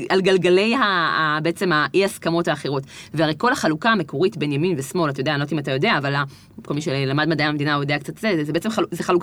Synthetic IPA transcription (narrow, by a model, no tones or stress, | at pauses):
alɡalɡale̞jaːbeet͡se̞maʔihaskamo̞thaːχeʁo̞tveaʁejko̞laχalukaːme̞ko̞ʁitbe̞njaminvesmo̞latajodealotimatajo̞de̞aːvala | kolmiʃelamadmadajamed̪inajod̪e̞ak̚t͡satzezzebeet͡semχazeχaluk